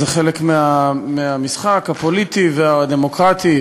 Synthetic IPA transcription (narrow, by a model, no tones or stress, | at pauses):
zeχelekmeameamisχakhapo̞lit̪ivead̪emo̞kʁat̪i